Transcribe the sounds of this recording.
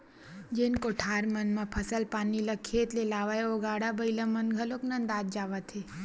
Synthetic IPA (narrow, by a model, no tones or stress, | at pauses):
d͡ʒenkoʈʰaɾmənmãpʰəsəlpaniləkʰːet̪lelaʋajoɡaɽabʱəjlamənɡʱəloknãnd̪ad̪̚d͡ʒaʋat̪ʰe